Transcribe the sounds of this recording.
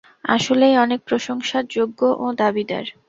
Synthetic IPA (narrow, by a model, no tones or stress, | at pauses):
a̰ʃolejɔnek̚pɾoʃoŋʃaɾd͡ʑoɡːoʔod̪abid̪a̰ɾ